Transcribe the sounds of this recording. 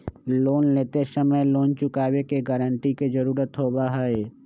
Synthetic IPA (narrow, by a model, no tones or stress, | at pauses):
loːnleːt̪esəməjloːnt͡ʃʊkaːwekeɡəɾəɳʈiked͡ʒəɾuːɾət̪ɦoːbaɦe